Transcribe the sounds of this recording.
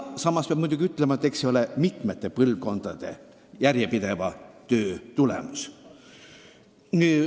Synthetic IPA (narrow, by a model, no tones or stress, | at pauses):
sɑmːɑspeɑb̥̚mujd̪uɡiyt̪ːˑlemɑet̪ːˑekseijo̞lemit̪me̞t̪ːepɤlvko̞nd̪̥ɑd̪̥e̞̰ | jærjepid̪̥e̞vɑt̪ø̞ːt̪ulḛmus | nyː